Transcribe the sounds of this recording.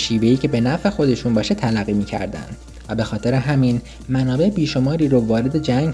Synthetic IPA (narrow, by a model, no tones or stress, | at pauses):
ʃiːve̞iːcʰe̞be̞næfe̞xo̞d̪e̞ʃuːnbɒːʃet̪ʰælæɢːiːmiːcʰæ̰ɾd̪æ̰nd̪̥ | væbe̞xɒːt̪ʰe̞ɾe̞ɦæmin | mænɒːbe̞ʔebiːʃo̞mɒːɾiːɾovɒːɾe̞d̪e̞d͡ʒæŋɡ